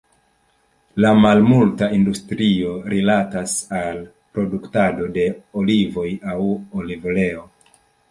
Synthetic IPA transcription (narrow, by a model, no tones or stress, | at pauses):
lamalmultaindustɾio̞ɾʔilatasal | pɾo̞duktado̞de̞olivo̞jawolivle̞o̞